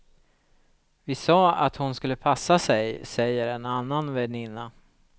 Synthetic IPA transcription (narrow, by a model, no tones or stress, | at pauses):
vɪsɑːa̰t̪hʊnskɵlːəpʰasːasɛjsɛjːəɾɛnanːanvɛnɪnːa